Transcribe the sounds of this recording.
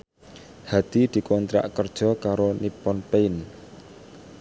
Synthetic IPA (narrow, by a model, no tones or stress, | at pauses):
had̪̥i̤d̪̥i̤kɔnt̪ɾa̰ʔkərd̥ʒ̥ɔ̤kaɾonipɔnpeɪn